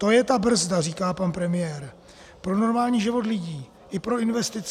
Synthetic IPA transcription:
t̪o̞jɛt̪abr̩zdariːkaːpanpɾɛmɪjɛːɾ | pɾo̞no̞ɾmaːlɲiːʒɪvo̞t̪lɪɟiː | ʔɪpɾo̞ɪnvɛst̪ɪt͡s

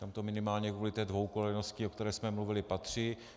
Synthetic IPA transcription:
t̪amt̪o̞mɪnɪmaːlɲɛkvuːlɪt̪ɛːdvo̞wkolɛnoscɪokt̪ɛɾɛːsmɛmluvɪlɪpat̪r̝̥ɪ

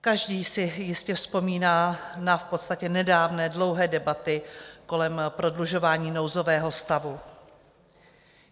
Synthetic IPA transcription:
kaʒdiːsɪjɪscɛfspo̞miːnaːnafpo̞t̪st̪acɛnɛdaːvnɛːdlo̞wɦɛːdɛbat̪ɪko̞lɛmpɾo̞dluʒo̞vaːɲiːno̞wzo̞vɛːɦo̞st̪avu

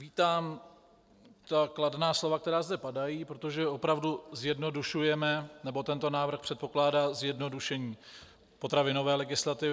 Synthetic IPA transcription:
viːt̪aːm | t̪akladnaːslo̞vakt̪ɛɾaːzdɛpadajiːpɾot̪o̞ʒɛopɾavduzjɛdno̞duʃujɛmɛnɛbo̞t̪ɛnt̪o̞naːvr̩xpr̥ɛt̪̚po̞klaːdaːzjɛdno̞duʃɛɲiː | po̞t̪ɾavɪno̞vɛːlɛɡɪslat̪ɪvɪ

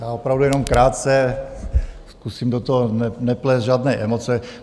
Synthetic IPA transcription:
jaːopɾavdujɛnomkɾaːt̪t͡sɛ | skusimdot̪oɦonɛnɛplɛzʒaːdnɛːʔɛmot͡sɛ

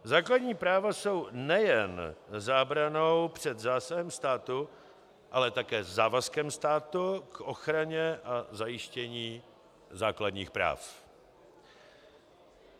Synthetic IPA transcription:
zaːkladɲiːpɾaːvaso̞wnɛjɛnzaːbɾanowpr̝̥ɛd̪zaːsaɦɛmst̪aːt̪u | ʔalɛt̪akɛːzaːvaskɛmst̪aːt̪ukʔo̞xɾaɲɛʔazajɪʃcɛɲiː | zaːkladɲiːxpɾa̰ːf

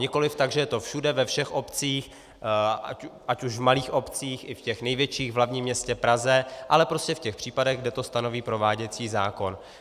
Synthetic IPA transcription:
ɲɪko̞lɪft̪aɡʒɛjɛt̪o̞fʃudɛvɛfʃɛxʔo̞pt͡siːx | aʔacuʃvmaliːxʔo̞pt͡siːxʔɪfcɛxnɛjvjɛt͡ʃiːɣvlavɲiːmːɲɛscɛpɾazɛʔalɛpɾo̞scɛfcɛxpr̥iːpadɛɣɡdɛt̪o̞st̪ano̞viːpɾo̞vaːɟɛt͡siːzaːko̞n

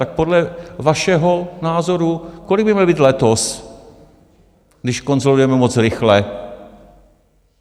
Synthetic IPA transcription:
t̪ak̚podlɛvaʃɛɦonaːzoɾukolɪɡbɪmɲɛlbiːt̪lɛt̪os | ɡdɪʃkonzolujɛmɛmot͡sɾɪxlɛ

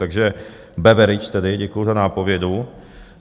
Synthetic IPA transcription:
t̪aɡʒɛ | bɛvɛɾɪt͡ʃt̪ɛdɪɟɛkujuzanaːpo̞vjɛdu

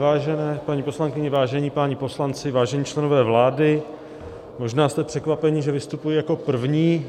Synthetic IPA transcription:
vaːʒɛnɛːpaɲiːpo̞slaŋkɪɲɛvaːʒɛɲiːpaɲipo̞slant͡sɪvaːʒɛɲiːt͡ʃlɛno̞vɛːvlaːdɪ | mo̞ʒnaːst̪ɛpr̝̥ɛkvapɛɲiʒɛvɪst̪upujijako̞pr̩vɲiː

